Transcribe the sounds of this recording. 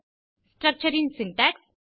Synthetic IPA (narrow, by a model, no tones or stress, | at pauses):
sʈɾək̚t͡ʃəɾĩnsinʈæks